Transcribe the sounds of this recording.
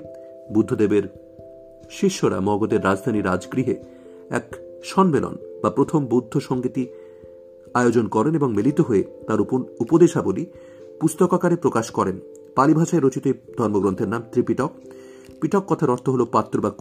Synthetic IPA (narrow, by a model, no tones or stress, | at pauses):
bud̪ʱːod̪ebeɾ | ʃiʃːoɾa̰mɔɡod̪eɾːad͡ʑd̪ʱaniɾad͡ʑɡɾiɦe | ɛ̰kʃɔnmelo̰nbapɾot̪ʰombud̪ʱːoʃɔŋɡit̪i | aeod͡ʑonkɔɾeneboŋmilit̪oɦoet̪aɾupoupod̪eʃaboli | pust̪okakaɾepɾokaʃkɔɾen | palibʱaʃaeɾot͡ɕit̪ed̪ʱɔɾmoɡɾõnt̪ʰeɾnamt̪ɾipiʈɔk̚ | piʈɔkːɔt̪ʰaɾɔɾt̪ʰoɦolopat̪ːɾoba